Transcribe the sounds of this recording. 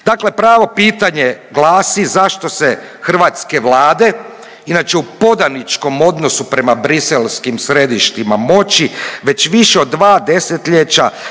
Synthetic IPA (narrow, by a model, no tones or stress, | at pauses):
d̪̥akle̞pɾaːʋo̞piːt̪aɲeɡlˠaːsizaʃt̪o̞se | xr̩ʋaːt̪ske̞ʋlaːd̪e̞ | inat͡ʃe̞upo̞d̪anit͡ʃko̞mo̞d̪no̞supɾe̞mabɾiselskimsɾe̞d̪iʃt̪imamo̞t͡ɕiʋe̞t͡ɕʋiʃeo̞d̪ːʋaːd̪eset̪ʎet͡ɕa̰